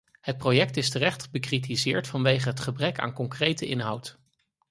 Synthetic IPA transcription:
hət̚projɛk̚tɪstərɛχtχəbəkritizɪːɹtfɑnʋejχəɦətχəbrɛka̰ːnkɔŋkrejtəʔɪnɦʌwt

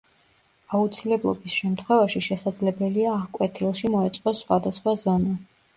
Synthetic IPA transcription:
aut̪sʰilɛblˠɔ̰bisʃɛmt̪ʰχwɛvaʃiʃɛsad̪zlɛbɛliaːʁkʼwɛt̪ʰilˠʃimɔɛt̪sʼqʼɔsχwad̪asχwazɔna

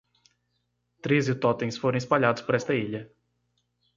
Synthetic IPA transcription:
t̪ɾezɪt̪ɔt̪ẽj̃sfoɾɐ̃w̃ispaʎad̪ʊspoɾɛst̪ɐiʎɐ

